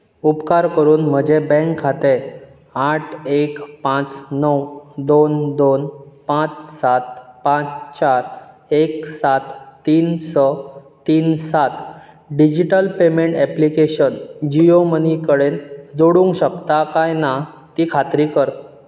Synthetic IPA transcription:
upkaɾkəɾuːnm̤əd͡ʑebɛ̃kʰːat̪e | aʈʰekpãt͡snəwd̪ond̪onpãt͡ssat̪̚pãt͡st͡ɕaɾ | eksat̪ːiːnsə | t̪iːnsat̪ | ɖid͡ʑiʈəlpemeɳʈɛplikeɕənd͡ʑiomənikəɽend͡zoɽũŋkɕəkt̪akajna | t̪iːkʰat̪ɾiːkəɾ

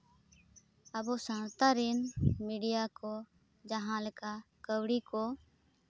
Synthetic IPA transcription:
əboːsãːnt̪aːɾiːnmiːɖijaːkoː | d͡ʒəɦãːləkaː | kəwɽiːkoː

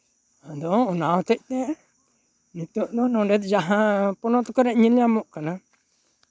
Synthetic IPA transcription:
ad̪ɔɔnawt̪ɛc̚t̪ɛ | nit̪ɔʔd̪ɔnɔ̃ɖɛt̪̚d͡ʒaɦãpɔnɔt̪kɔɾɛʔɲinjamɔʔkana

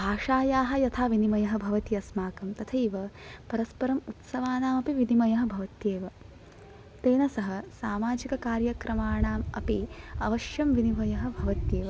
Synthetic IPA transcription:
bʱaːʂaːjaːɦɐ̆jɐt̪ʰaːʋinimɐjɐɦɐ̆bʱɐʋɐt̪ijɐsmaːkɐmt̪ɐt̪ʰɐiʋɐpɐɾɐspɐɾɐmut̪sɐʋaːnaːmɐpiʋinimɐjɐɦɐ̆bʱɐʋɐt̪jeːʋɐ | t̪eːnɐsɐɦɐsaːmaːd͡ʒikɐkaːɾjɐkɾɐmaːɳaːmɐpiɐʋɐʃjɐmʋinibʱɐjɐɦɐ̆bʱɐʋɐt̪jeːʋɐ

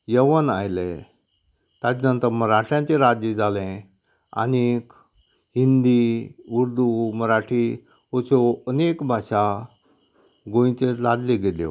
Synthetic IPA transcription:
jəʋənajle | t̪ãt͡snənt̪əɾməɾaʈʰjãɲt͡ɕeɾad͡ʑed͡zʱalẽ | a̰nik | ɦind̪iuɾd̪uməɾaʈʰi | ɦot͡sɔənekbʱaɕa | ɡõĩt͡ɕeladleɡele

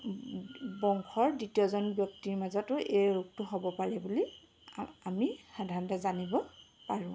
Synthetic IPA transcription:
bɔŋkʰɔɹditijɔzɔnbjɔk̚tiɹmazɔtʊʔejɹuk̚tʊɦɔbɔpaɹɛbuli | amixadʱaɹɔntazanibɔpaɹʊ̃

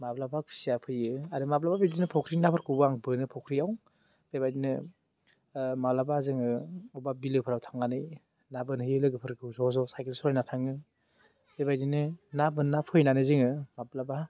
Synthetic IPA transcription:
mablabakʰi̥sijapʰɯjɯaɾɯmablababidinɯpʰɔkʰɾinapʰɯɾkɯbaŋbɯnɯpʰɔkʰɾiaw | bebajdinɯ | mablabazɯŋɯubabilɯpʰɯɾawtʰaŋːanɯj | nabɯnɯjɯlɯɡɯpʰɯɾkɯzɔzɔsajkelsɔjnatʰaŋɯ | bebajdinɯnabɯnːapʰɯjnanɯzɯŋɯmablaba

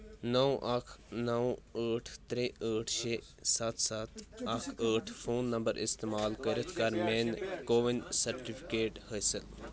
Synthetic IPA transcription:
nəwʔɐkʰnɐwəːʈʰt̪ɾeəːʈʰʃe | sɐt̪ʰsɐt̪ʰɐkʰəːʈʰpʰoːnːɐmbəɾɪ̰st̪eːmaːlkəɾət̪ʰkɐɾmeːnkoːʋinsɐɾʈipʰikeːʈhəːsəl

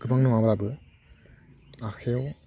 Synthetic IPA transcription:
ɡɯbaŋnɯmabɾabɯ | akʰew

